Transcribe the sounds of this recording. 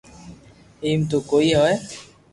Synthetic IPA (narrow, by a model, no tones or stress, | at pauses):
iːmt̪̬oːkoːiːɦoːɛː